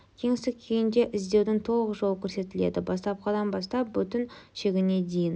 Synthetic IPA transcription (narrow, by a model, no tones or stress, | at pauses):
kʲʰe̞ŋɪst̪ɪkk̚ʲʰejɪnd̪e̞ʔɪzd̪e̞wd̪ɪŋt̪ʰo̞lˠʁəʒo̞lˠəkʲʰɵɾse̞t̪ɪle̞̰d̪ɪbɑst̪ɑp̚qʰɑd̪ɑnbɑst̪ɑp̚bʏt̪ɪnʃe̞ɡʲɪne̞d̪ejɪn